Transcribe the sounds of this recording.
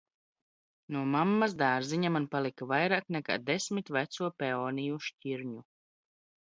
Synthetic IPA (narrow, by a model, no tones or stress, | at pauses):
nuɔmamːasd̪aːɾziɲamanpalˠikavajɾaːknɛka̰ːd̪esmit̪væt̪suɔpɛonijuʃcʲiɾɲu